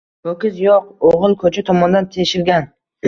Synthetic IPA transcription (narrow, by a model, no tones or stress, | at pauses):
ɵkʲɪzjɒq̚oʁɨlˠkʰɵt͡ʃʰat̪ʰɒmɒnd̪ant̪ʰeʃɪɾɡʲan